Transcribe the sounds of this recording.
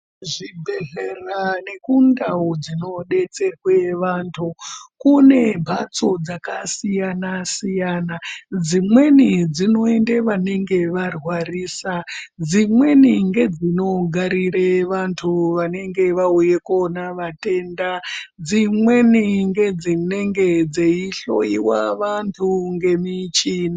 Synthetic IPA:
ʐibʱeɮerane̞kundaud͡zino̞ɗe̞t͡se̞rweʋantʰukune̞bʱat͡so̞d͡zakasijanasijaːnad͡zimwe̞nid͡zino̞e̞ndeʋane̞ŋɡe̞ʋarwariːsa | d͡zimwe̞niŋɡe̞d͡zino̞ɡʱaɾiɾeʋantʰuʋane̞ŋɡe̞ʋauje̞konaʋate̞nda | d͡zimwe̞niŋɡe̞d͡zine̞ŋɡe̞d͡zeiɬo̰jiwa̰ʋantʰuŋɡe̞mit͡ʃiːni

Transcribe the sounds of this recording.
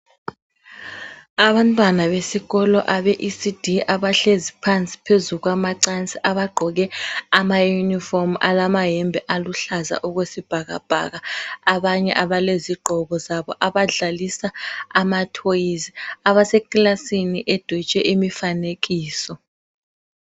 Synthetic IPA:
aβantʼwanaβesiɣɔlɔʔaβeʔisid̥ʱiaβaɬezipʰant͡sʼi̥pʰezuɣwamaǀant͡sʼiʔaβaɡ͡ǃʱɔɣɛamajunifɔrma̰lamaɦɛmbʱɛʔaluɬaza̰ʔuɣwesib̥ʱaɣa̰b̥ʱa̰ɣaaβaɲɛ̰ʔaβaleziɡ͡ǃʱɔɣɔzaβɔʔaβaɮalisaamatʰojiziaβasɛkʼlasiniʔed̥ʱit͡ʃʼɛʔimifaneɣiːsɔ

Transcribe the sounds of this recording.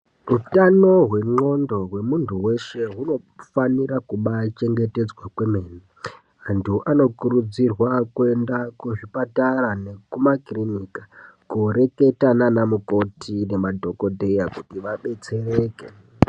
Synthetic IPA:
rutano̞ɦwe̞ŋ͡ǃo̞ndo̞ɦwe̞muntʰuwe̞ʃe̞ɦuno̞ | faniɾakuɓat͡ʃe̞ŋɡe̞te̞d͡zwakwemeːne | antʰuʔano̞kuɾud͡zirwakue̞ndakuʐipataranekumakrinikḁ | kuɾe̞ke̞tananamuko̞tʰine̞madʱo̞ko̞dʱe̞jakutiʋaɓe̞t͡se̞re̞ːke

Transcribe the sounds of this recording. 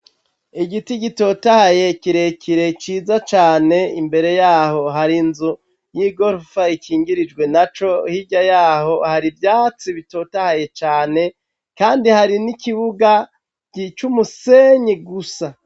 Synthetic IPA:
iɡitiɟito̞ːtahaje̞ciɾekʰiɾet͡ʃiːzat͡ʃaːne̞imbe̞ɾe̞jaːho̞ɦaɾinzu | jiɡoɾfaikiːŋɡiɾid͡ʒɡwe̞nat͡ʃo̞hiɟajaːho̞haɾibjaːt͡siβito̞ːtahaje̞t͡ʃaːne̞ | kaːndihaɾinikiβuɡa | ɟit͡ʃumuse̞ɲiɡusa

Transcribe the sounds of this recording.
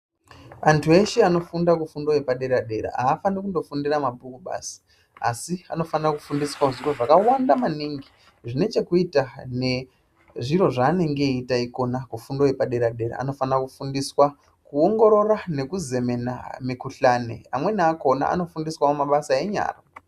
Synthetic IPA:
antʰue̞ʃeano̞fundakufundo̞je̞paɗe̞ɾaɗe̞ɾa̰aːfanikundo̞fundiramabʱukuɓa̰si̥ | asia̰no̞fanrakufundiswaʐiro̞ʐakawandamaniŋɡi | ʐine̞t͡ʃe̞kuitane̞ | ʐiro̞ʐaːne̞ŋɡe̞itaiko̞nakufundo̞jepaɗe̞ɾaɗe̞ɾa̰a̰no̞fanrakufundiswa | kuo̞ŋɡo̞ɾo̞ɾane̞kuze̞me̞na̰mikuɬaːnḛa̰mwe̞naako̞na̰ʔa̰no̞fundiswamumaɓasae̞ɲa̰ːra

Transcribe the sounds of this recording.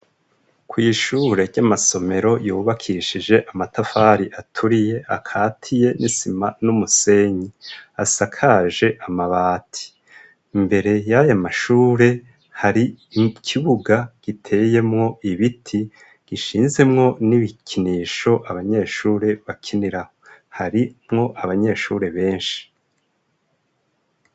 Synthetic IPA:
kwiːʃuːɾe̞ɾɟamaso̞me̞ɾo̞juːβakʰiʃiʒe̞ʔamatafaːɾiʔatʰuɾije̞akʰaːtʰije̞nisimanumuse̞ɲiasakʰaʒe̞ʔamaβaːtʰi̥ | mbe̞ɾe̞jajamaʃuːɾe̞ | haɾikʰiβuɡaɡ̥itʰe̞je̞mŋo̞iβitʰi | ɡ̥iʃiːnze̞mŋo̞niβikʰiniːʃo̞ʔaβaɲe̞ʃuːɾe̞βakʰiniɾahohaɾimŋo̞ʔaβaɲe̞ʃuːɾe̞βe̞ːnʃi̥

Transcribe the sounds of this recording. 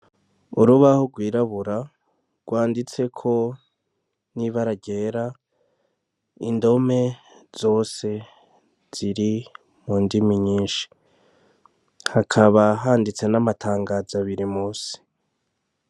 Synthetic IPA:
uɾuβahoɡwiːɾaβuɾa | ɡ̥waːndit͡se̞kʰo̞ | niβaɾaɟe̞ːɾa | indo̞me̞ | z̥o̞ːse̞ | z̥iɾi | muːndimiɲiːʃi̥ | hakʰaβaɦaːndit͡se̞namatʰaːŋɡazaβiɾimuːsi̥

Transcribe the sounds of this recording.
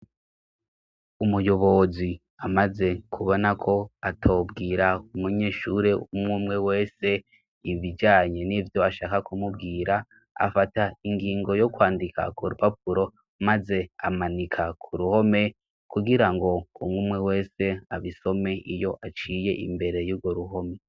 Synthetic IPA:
umujo̞βo̞zi | amaze̞kʰuβo̞nakʰo̞atʰo̞ːbɡiːɾaumuɲe̞ːʃuɾe̞umŋuːmŋe̞we̞ːse̞ | iβid͡ʒaːɲe̞nivjo̞aʃaːkakumub̚ɡiːɾa | a̰fataiŋɡiːŋɡo̞jo̞kwaːndikʰa̰kʰuɾupapuɾo̞ | maze̞amanikʰakʰuɾuho̞me̞ | kuɡiɾaŋɡo̞kumuːmŋe̞we̞ːse̞aβiso̞me̞ijo̞ʔat͡ʃije̞ʔḭmbe̞ɾe̞juɾɡoɾuɦo̞me̞

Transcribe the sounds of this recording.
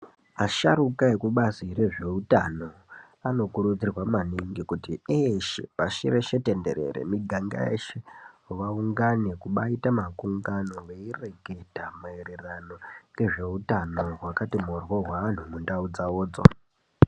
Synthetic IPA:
aʃa̰ɾukaekuɓazire̞ʐe̞utano̞ | ano̞kuɾud͡zirwamaniŋɡikutieʃḛpaʃiɾe̞ʃe̞te̞nde̞̰ɾe̞̰ɾḛmiɡʱaŋɡa̰ḛʃe | ʋauŋɡane̞kuɓaitamakuŋɡano̞ʋe̞ire̞ɡʱe̞tamaeɾerano̞re̞ʐe̞utanoɦwakatimurwoɦwaʋan̤umundaud͡zaoːd͡zo̰

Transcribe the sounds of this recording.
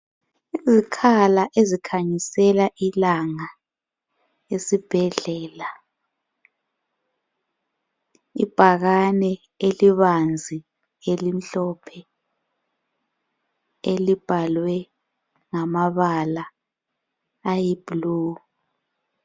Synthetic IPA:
izikʰalaʔezikʰaɲisɛlaʔilaŋa | esib̥ʱɛɮɛːla | ḭb̥ʱaɣanɛ | eliβand͡zʱi | elim̩ɬɔpʰɛ | elib̥ʱalwɛ | ŋamaβala | jib̥lu

